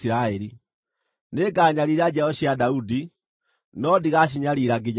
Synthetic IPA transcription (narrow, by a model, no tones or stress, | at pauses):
iɾaeɾi | neɡaːɲaɾiɾad͡ʒaɔʃjadaudi | nɔdiɣaʃ̬iɲaliɾaɡeɲ